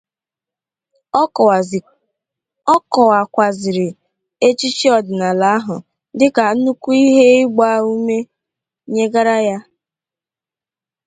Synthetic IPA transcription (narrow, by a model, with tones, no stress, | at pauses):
ɔ˦kɔ˨wa˨kʷa˨zɪ˨ɾɪ˨ | e˦t͡ʃi˦t͡ʃi˦ɔ˨dɪ˨na˨la˨a˦ɦʊ̰˨ | dɪ˦ka˨˦nu˦ku˦i˦ɦe˦ɪ˦ɡ͡ba˦u˦me˦ | ɲe˦ɡa˦ɾa˦ja˦